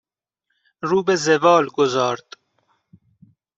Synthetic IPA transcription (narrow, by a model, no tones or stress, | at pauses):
ɾuːbezevɑːlɡozɑːɾt̪